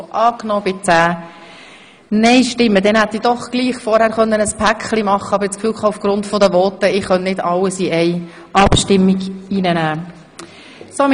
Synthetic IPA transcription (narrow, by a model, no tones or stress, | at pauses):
ʔɑːknɔːb̥ɪt͡sæː | nɛɪʃtɪmːəd̥̪ɛnhæt̪ːid̥ɔχɡ̥liːχfɔɾhæːɾχœnːənəspʰækχlimɑχːəɑbɾt͡skfyːlkχɑːufɡ̥ɾʊntfɔd̪əvɔːtəɪχœnnɪdɑlːəsiɛɪ | ʔɑpʃtɪmːiɡiːnənæː | som